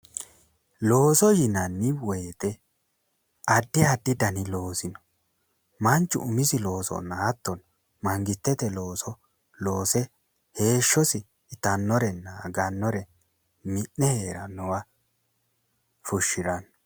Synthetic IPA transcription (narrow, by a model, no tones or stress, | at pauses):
lo̞ːsɔjɪnɐnːɪwɔjt̪ɛ | ɐd̪ːɪɐd̪ːɪd̪ɐnɪlo̞ːsɪnɔ̥ | mɐnt͡ʃːʊ̰ʔʊmɪsɪlo̞ːsɔ̰naːt̪ːɔn | mɐŋɡɪt̪ːɛt̪ɛlo̞ːsɔ | lo̞ːsɛ | he̞ːʃːɔsɪ | t̪ɐnːɔɾɛnːɐɡɐnːɔɾɛ | mɪnːɛhe̞ːɾɐnːɔwɐ | fʊʃːɪɾɐn